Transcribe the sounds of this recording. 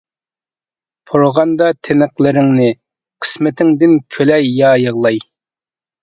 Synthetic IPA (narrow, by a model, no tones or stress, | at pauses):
pʰoɾʁɑnd̪ɑt̪ʰenəqlˠɪɾɪŋnɪ | qʰə̥smɪt̪ʰɪŋd̪ɪnkʲʰølɛjːɑːjəʁlˠɑj